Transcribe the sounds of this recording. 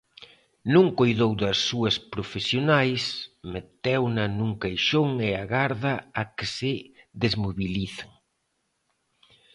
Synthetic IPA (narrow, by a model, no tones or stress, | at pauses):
nũŋkojðowðɐsːuɐspɾofesjonajsmet̪ɛwnɐnuŋkajʃoŋeaɣaɾðɐakɪsɪðezmoβiliθaŋ